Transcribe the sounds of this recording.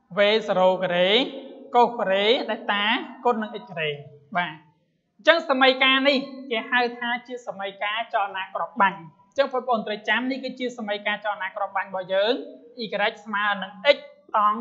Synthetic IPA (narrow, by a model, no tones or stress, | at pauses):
ʋeːsaɾoːkəɾeːkoːhkoɾeːɗaɛlt̪aːkot̚nɨŋʔəc̚kəɾeːɓaː | ɲt͡ɕəŋsaməjkaːnihkeːhawt̪ʰaːt͡ɕiəsaməjkaːt͡ɕɑlnaːkrŏəp̚ɓaɲ | ɲt͡ɕəŋpʰup̚ʰːə̆ʔoːnt̪rɨjt͡ɕamnihkɨːt͡ɕiəsaməjkaːt͡ɕɑlnaːkrŏəp̚ɓaɲɓɑhjəːŋʔiːkəɾəc̚smaənɨŋʔəc̚t̪ɑŋ